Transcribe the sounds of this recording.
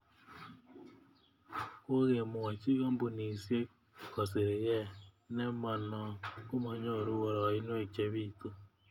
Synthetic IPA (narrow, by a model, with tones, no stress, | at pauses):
ko˦ɣe˨mʊ˨a˨t͡ʃi˦ɣo˦mbu˨ni˨sje˦ | kɔ˨sɪ˨ɾe˨jɛ˦ | nɛ˦mɔ˨nɔ˨ko˦mɔ˨ɲo˦˨ɾu˦wo˨ɾɔ˨ɪ˦no˦e˨t͡ʃe˦βi˦˨tu˦